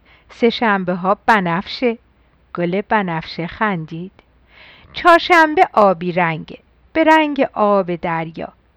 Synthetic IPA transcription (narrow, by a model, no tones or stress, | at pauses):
se̞ʃæmbeɦɒːb̥ænæfʃe | ɡ̥oleb̥ænæfʃexænd̪iːd̪̥ | t͡ʃʰɒːɾʃæmbe̞ʔɒːbiːɾæŋɟe | b̥e̞ɾæŋɟeʔɒːbe̞d̪æɾjɒ̰ː